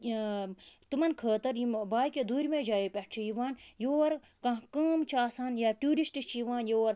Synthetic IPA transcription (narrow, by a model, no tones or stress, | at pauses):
t̪umɐnkʰəːt̪ɐɾjimbaːjkʲed̪ʱuːɾʲimẽːd͡ʒaːjipʲɐʈt͡ʃʰijiʋaːnjoːɐɾ | kɐ̃ɦkɐːmt͡ʃʰaːsaːnjaːʈʲuːɾisʈist͡ʃʰijiʋaːnjoːɾ